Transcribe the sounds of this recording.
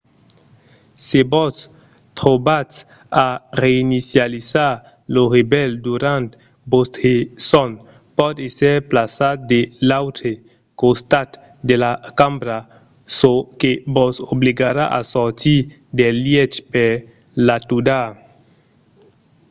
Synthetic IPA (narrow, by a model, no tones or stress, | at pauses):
sebɔs | t̪ɾobas | areinisjaliza | loʁebɛld̪uɾant̪ | bosthesɔn | pɔd̪eseɾplasat̚d̪elawte | kost̪at̪ | d̪elakambɾa | sokebɔsobliɡaɾaʔa̰sɔɾt̪i | d̪eljet͡ʃpeɾ | lat̪uda